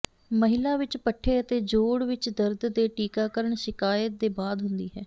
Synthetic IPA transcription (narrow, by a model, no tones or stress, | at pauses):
məɦɪlaːʋɪt͡ʃpəʈʰːeːət̪eːd͡ʒoːɽʋɪt͡ʃd̪əɾd̪d̪eːʈiːkaːkəɾəɳʃɪkaːjət̪̚d̪eːbaːd̪ɦʊnd̪iːɦɛː